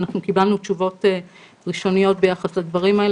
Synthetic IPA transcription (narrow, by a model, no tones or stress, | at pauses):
naχnukibalnut͡ʃuvo̞te | ʁiʃo̞nijo̞t̚bejaχaslad̪vaʁimael